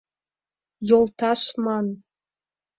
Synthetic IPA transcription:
jolt̪ɑʃmɑn

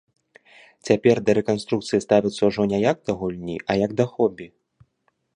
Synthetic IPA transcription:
t͡sʲapʲɛrd̪ɐɾɛkanst̪ɾuk̚t̪sɨjist̪avʲit̪sːɐuʐɔnʲɛjaɡ̚d̪ɐɣulʲnʲḭʔɐjɐɡd̪ɐxɔbʲi

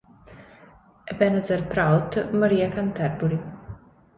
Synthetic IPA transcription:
ɛbɛnəzɛɾpɾawt̪maɾiːakant̪ɛɾbuɾi

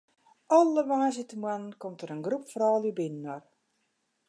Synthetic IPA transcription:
ɔlˠəʋaːzɪtəmwannkomtəɾənɡrupfrɔːlybɪnənɔr

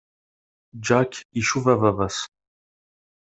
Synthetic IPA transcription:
d͡ʒaːkʲʰiʃuvɐvɐvɐs

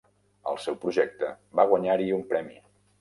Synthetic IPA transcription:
ə̰lˠsɛwpɾuʒɛk̚t̪ə | baɣ̞wəɲaɾiumpɾɛmḭ

